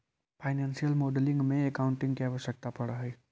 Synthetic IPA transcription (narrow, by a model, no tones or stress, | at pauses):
fʰaːɪnɛ̃ːnsijəlmoːɖəlɪ̃ŋɡmẽekawʊ̃ɳʈɪ̃ŋɡkiaːʋəʃək̚t̪apɐɽaɦɛː